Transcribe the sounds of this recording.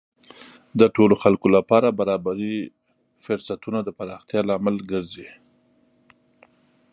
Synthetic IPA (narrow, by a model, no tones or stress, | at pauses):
d̪əʈoloxalkolapɑɾabaɾɑbaɾi | fʊɾsat̪unad̪əpaɾɑxt̪jɑlaːmalɡəɾzi